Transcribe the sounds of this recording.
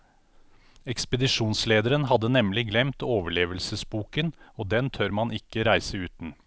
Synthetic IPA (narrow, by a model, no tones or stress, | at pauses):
ɛkspəd̪ɪʂuːnsleːd̪əɾənɦɑd̪ənɛmlɪɡlɛmt̪oːʋəɭeːʋəlsəsbuːkənoːd̪ɛnt̪ʰœɾmɑnʔɪkːəɾæɪsəʉːt̪n̩